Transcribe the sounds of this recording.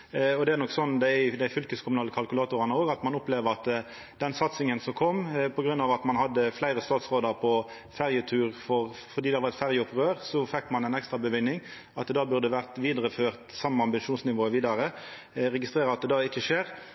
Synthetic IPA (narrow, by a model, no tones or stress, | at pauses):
ɔd̪ɛæʁnɔkːsɔnd̪æd̪æɪfʏlkəskʰʊmʉnɑːləkʰɑlkʉlɑːt̪ʊʁɑnəoːɡɑt̪mɑnʊpleːʋəʁɑt̪ | d̪̥ɛnsɑt̪sɪŋənsɔmkʰɔmːpʰɔɡʁʉnːɑːʋɑt̪mɑnɦɑd̪ːəflæɪʁəst̪ɑːt̪sʁoːd̪ɑʁpʰɔ | fæʁjət̪ʰʉːʁfɔʁfɔʁd̪iːd̪ɛhɑʋɑʁɛt̪fæʁjəɔpʁøːʁsɔfɛkːmɑnɛnɛkst̪ʁɑbəʋʏnːɪŋ | ɑt̪̚d̪ɛd̪ɑːbʉʁd̪əʋæʁt̪ʋiːd̪əʁəføːʁt̪sɑmːəɑmbɪnʂuːnsnɪʋoːəʋiːd̪ɑʁə | ʁɛɡɪst̪ʁeːʁəɑt̪̚d̪ɛd̪ɑːɪçəʂeːʁ